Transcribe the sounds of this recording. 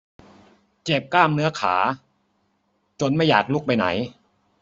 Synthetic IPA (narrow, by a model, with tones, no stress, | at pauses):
t͡ɕe˨˩p̚klaː˥˩mnɯ˦˥ɐkʰa̰ː˩˦ | t͡ɕo˧nma˥˩jaː˨˩k̚lu˥˩k̚pa˧jna̰˩˦j